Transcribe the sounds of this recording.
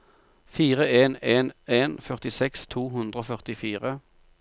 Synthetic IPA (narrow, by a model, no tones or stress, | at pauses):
fiːʁəeːneːneːnfœʁt̪ɪsɛkst̪ʰuːɦʉnd̪ʁəoːfœʁt̪ɪfiːʁə